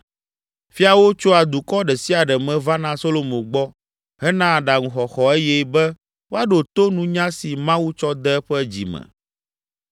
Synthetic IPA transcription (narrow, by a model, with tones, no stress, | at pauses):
fi˦a˨wo˦t͡ʃo˦a˨d̪u˨kɔ˦ɖɛ˨si˦a˨ɖɛ˨mɛ̃˨va˦nã˦so˦lo˨mõ˨ɡ͡bɔ˦ | ɦɛ˦nã˦˨ɖa˨ŋũ˨xɔ˨xɔ˨e˦jɛ˦bɛ˦ | wo˦a˦ɖo˨t̪o˦nũ˦ɲã˦si˨mã˦wu˦t͡ʃɔ˦d̪ɛ˦ɛ˦ɸɛ˦d͡ʑḭ˨mɛ̰˨